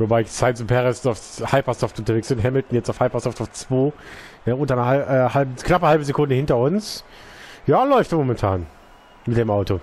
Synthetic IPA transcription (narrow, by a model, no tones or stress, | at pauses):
vobaɪɪçsaɪnsʊnpʰɛʁɛsaʊfhaɪpɐsɔftʔʊntɐveːksb̥ɪntɦɛml̩tn̩jɛt͡saʊfhaɪpɐsɔftaʊft͡sv̥oː | nəʔʊntɐnɐaɛːhalbknapəhalbəzekʰʊndəhɪntɐʊns | jaːlɔʏftmomɛntʰaːn | mɪt̚d̥eːmʔaʊto